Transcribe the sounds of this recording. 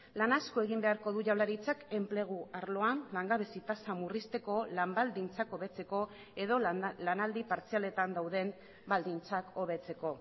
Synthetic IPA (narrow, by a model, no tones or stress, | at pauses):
lanaskoe̞ɣ̞imbe̞aɾko̞ðuʝawlaɾit͡sake̞mple̞ɣ̞uaɾlo̞anlaŋɡaβesit̪asamurist̪e̞ko̞lambald̪int͡sako̞βe̞t͡se̞ko̞ | e̞ðo̞lanald̪ipaɾt͡siale̞t̪and̪awðe̞m | bald̪int͡sako̞β̞e̞t͡se̞ko̞